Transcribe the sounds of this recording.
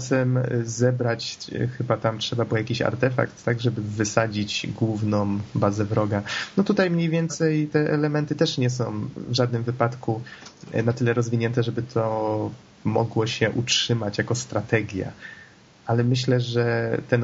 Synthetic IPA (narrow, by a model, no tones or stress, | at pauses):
sɛmzɛbɾat͡ɕxɘbat̪amtʂɛbabɘwjakʲiɕa̰ɾt̪ɛfa̰kt̪ːaɡʐɛbɘvɘsad͡ʑid͡ʑɡwuvnɔ̃mbazɛvɾɔɡanɔt̪ut̪ajmɲejvʲjɛnt̪sɛjt̪ɛʔɛlɛmɛnt̪ɘt̪ɛʂɲɛs̬ɔ̃w̃vʐad̪nɘmvɘpat̪kunat̪ɘlɛɾɔzvʲiɲɛnt̪ɛʐɛbɘt̪ʰɔ | mɔ̰ɡwɔɕɛʔutʂɘmat͡ɕjakɔst̪ɾat̪ɛɡʲja̰ | ʔalɛmɘɕlɛʐɛt̪ɛn